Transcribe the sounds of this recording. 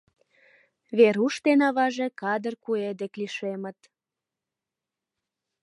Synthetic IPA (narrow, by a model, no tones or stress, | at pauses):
βeɾuʃt̪enɑβɑʒe̽kɑd̪ərkued̪ekliʃemət̪